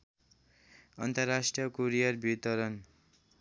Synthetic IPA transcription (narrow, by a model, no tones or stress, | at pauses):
ʌnt̪ʌrːasʈrijʌkoɾijʌrbʱit̪ʌɾʌn